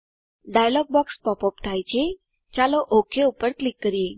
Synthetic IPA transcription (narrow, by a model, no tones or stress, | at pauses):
ɖajlɔɡ̚bɔkspɔpɔpt̪ʰajt͡ɕe | t͡ɕalɔʔokʰeupəɾklikːəɾie